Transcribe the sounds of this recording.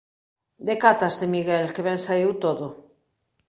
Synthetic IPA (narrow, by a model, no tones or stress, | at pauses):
d̪ekat̪azðemiɣelkeβeŋsaiwt̪oðo